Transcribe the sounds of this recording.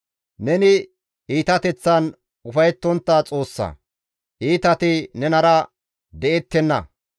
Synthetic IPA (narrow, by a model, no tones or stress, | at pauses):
nɛnɪ | ʔiːt̪ɐt̪ɛt͡sːɐn | ʊfɐjɛt̪ːɔnt̪ːɐt͡sʼo̞ːsːɐ̰ | ʔiːt̪ɐt̪ɪnɛnɐɾɐ | d̪ɛʔɛt̪ːɛnːɐ̰